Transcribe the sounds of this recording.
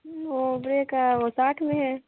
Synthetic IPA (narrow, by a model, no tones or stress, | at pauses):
ʋobɾeːkaʋosaːʈʰmẽɦɛ̃ː